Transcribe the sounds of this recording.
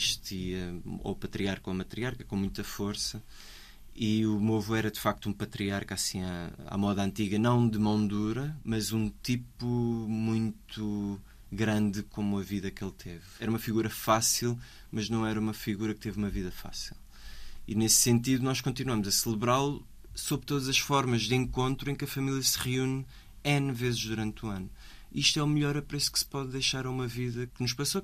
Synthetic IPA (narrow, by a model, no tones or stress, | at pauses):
ʃt̪iɐo̰pɐt̪ɾiaɾkõɐmɐt̪ɾiaɾkɐkõmũj̃t̪ɐfoɾsɐ | iumovuɛɾɐd̪ɨfak̚t̪uũpɐt̪ɾiaɾkasĩaa̰mɔðɐɐ̃nt̪iɣɐnɐ̃w̃d̪ɨmõnd̪uɾɐmɐzũt̪ipumũj̪̃t̪ʰu | ɣɾɐ̃nd̪ɨkomuɐviðɐkelˠt̪ʰevɛɾɐumɐfiɣuɾɐfasilˠ | mɐʒnɐ̃w̃ɛɾɐumɐfiɣuɾɐk̚t̪evumɐviðɐfa̰silˠ | ḭnesːẽnt̪iðunɔʃkõnt̪inwɐmuzɐsɨlˠɨβɾalˠu | soβɾt̪oðɐzɐʃfɔɾmɐʒðẽŋkõnt̪ɾuẽkɐfɐmilˠjɐsɨʁiun | ɛ̃nvezʒðuɾɐ̃nt̪uɐnu | iʃt̪ɛumʎɔɾɐpɾesu̥kspɔðːɐjʃaɾɐumɐviðɐknuʃpɐso